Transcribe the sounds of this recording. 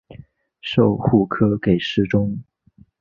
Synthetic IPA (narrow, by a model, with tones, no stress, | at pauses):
ʂo˥˧ʊxu˥˩kʰɤ˥ke˨˩ɪʂɻ̩˥˧ʈ͡ʂʊ˥ŋ